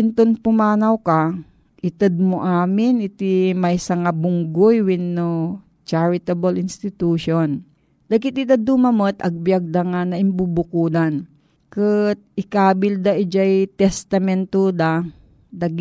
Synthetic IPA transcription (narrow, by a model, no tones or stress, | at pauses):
ɪnt̪onpʊmaːnɐwka | ʔɪt̪ɛd̪̚moʔaːmɪnɪt̪imɐjsɐŋabʊŋɡojwɪnːo | t͡ʃaɹɪt̪ɐbɐlɪnst̪ɪt̪uːʃon | d̪ɐɡɪt̪ɪt̪ɐd̪umɐmot̪ʔɐɡ̚bjɐɡ̚d̪ɐŋanɐʔɪmbubʊkuːd̪an | kɨt̪̚ɪkaːbɪld̪aʔɪd͡ʒajt̪ɛst̪ɐmɛnt̪ud̪a | d̪ɐɡ